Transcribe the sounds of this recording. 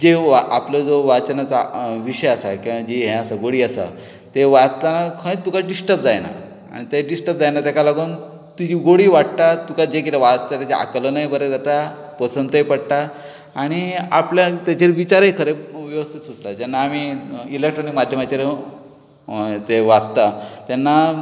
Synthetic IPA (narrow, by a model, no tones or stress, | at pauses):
d͡ʑeʋapləd͡zoʋat͡sənat͡saʋiɕəjasakĩʋãd͡ʑiɦɛ̃asaɡoɽiːasa̰ | t̪eʋat͡st̪anakʰə̃ĩt̪ːukaɖisʈəp̚d͡zajna̰ | a̰ɽ̃it̪eɖisʈəp̚d͡zajnat̪ekalaɡuːn | t̪ud͡ʑiːɡoɽiːʋaʈt̪at̪ukad͡ʑek̬it̪eʋad͡zt̪at̪jat͡ɕeʔa̰klənajbəɾet̪at̪a | pəsənt̪əipəɽʈ̪a | aɽ̃ia̰pljat̪jat͡ɕeɾʋit͡ɕaɾɦekʰəɾeʋjəʋəst̪ʰit̪sud͡zt̪ad͡ʑanːaːmiilek̚ʈɾɔnikmad̪ʱjəmat͡ɕeɾe | t̪eʋad͡zt̪at̪anːa